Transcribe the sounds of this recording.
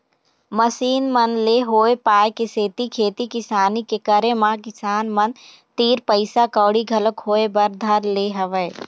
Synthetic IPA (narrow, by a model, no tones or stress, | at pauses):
məsiːnmənleɦoːepaːekɪseːt̪ikʰeːt̪ikɪsaːnikekəɾemãkɪsaːnmən | t̪iːɾpəɪsakɔːɽiɡʱɐləkhoːebɐɾd̪ʱəɾleɦɐʋə